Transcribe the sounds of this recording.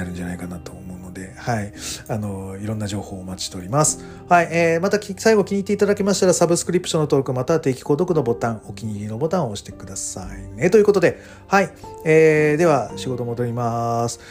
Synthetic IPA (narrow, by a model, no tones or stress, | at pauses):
aɾɯ̟̃ɲd͡ʑana̰ikanat̪o̞ːmo̞ɯ̟no̞d̪e̞haianoiɾõ̞nːad͡ʑo̞ːho̞ːmat͡ɕi̥t̪e̞oɾʲimasɨ̥ | haieːmat̪akʲsaiɡo̞kʲiɲ̟it̪ːe̞it̪ad̪akʲemaɕi̥t̪aɾasabɯsɨ̥kɯ̟ɾʲipːɯ̥ɕo̞nːot̪oːkɯ̟mat̪at̪e̞ːkʲi̥ko̞ːd̪o̞kɯ̟no̞bo̞t̪ãŋ̃o̞kʲiɲ̟iɾʲino̞bo̞t̪ãɰ̃ooɕi̥t̪e̞kɯ̟d̪asainet̪o̞jɯ̟kot̪o̞d̪e̞ | haieːd̪e̞β̞aɕiɡo̞t̪omo̞d̪o̞ɾʲimasɨ̥